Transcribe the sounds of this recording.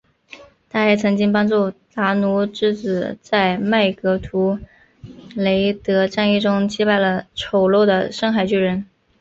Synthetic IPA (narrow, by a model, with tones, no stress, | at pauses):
t̪a˥˧e˥˩t͡sʰɤ˧˥ŋt͡ɕi˥ŋpɑ˥ŋt͡su˥˩t̪a˧˥nu˧˥ʈ͡ʂɻ̩˥˩t͡sɹ̩˨˩t͡sa˥˧ɪma˥˩ɪkɤ˧˥t̪ʰu˧˥ | le˧˥ɪt̪ɤ˧˥ʈ͡ʂa˥˧ni˥˩ʈ͡ʂʊ˥ŋt͡ɕi˥pa˥˩ɪlə˩ʈ͡ʂʰo˨˩ʊlo˥˩d̪ə˩ʂɤ˥˧ŋxa˥˩ɪt͡ɕy˥˩ɻə˧˥n